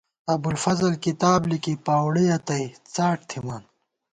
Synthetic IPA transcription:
ɐbulfɐzɐlkit̪aːblikipaːwɽiɐt̪ɐit͡saːʈ̚t̪ʰimaːn

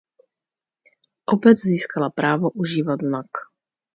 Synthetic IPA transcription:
ʔobɛt͡sziːskalapɾaːvoʔuʒiːvat̪znak

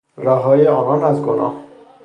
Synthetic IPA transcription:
ɾɒːɦɒːjeɒːnɒːnæzɡo̰nʔɒ̰ːh

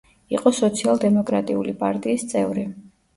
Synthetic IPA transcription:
iqʼɔsɔt̪sʰialˠd̪ɛmɔkʼɾat̪ʼiulipʼaɾt̪ʼiːst̪sʼɛvɾi

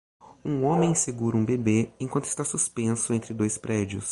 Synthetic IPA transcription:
ũõmẽj̃seɡuɾũbebeẽkwɐ̃nt̪ʊɪ̥st̪asuspẽsʊẽnt̪ɾɪd̪ojspɾɛd͡ʒiʊs

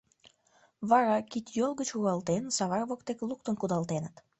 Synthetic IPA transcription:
βɑɾɑkit̪jolˠɣət͡ɕuɣɑlt̪ensɑβɑrβokt̪ekluk̚t̪ənkud̪ɑlˠt̪enət̪

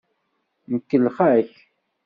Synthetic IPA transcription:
nəkːəlχæç

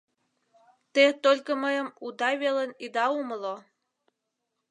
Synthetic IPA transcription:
t̪et̪olʲkəməjəmud̪ɑβelenid̪ɑuməlo

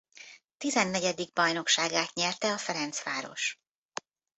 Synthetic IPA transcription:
t̪izɛnːɛɟɛd̪iɡ̚bɒjno̞kʃaːɡaːt̪ɲɛrt̪ɛɒfɛɾɛnt̪sʋaːɾo̰ʃ

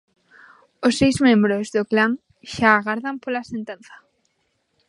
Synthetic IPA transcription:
osːejzmẽmbɾozðoklaŋ | ʃaːɣaɾðampolasent̪ẽn̟θḁ

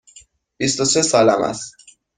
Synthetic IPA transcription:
b̥ist̪osesɒːlæmæ̰st̪

